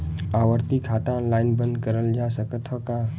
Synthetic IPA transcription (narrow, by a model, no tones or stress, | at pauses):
aʋəɾt̪ikʰat̪ãə̃nlainbə̃nd̪kəɾəld͡ʒasəkət̪ʰəka